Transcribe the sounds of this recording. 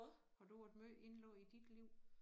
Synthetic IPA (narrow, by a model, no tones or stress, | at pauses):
ɒd̥ud̥møʔe̝nlɔ̰id̥id̥liʊ̰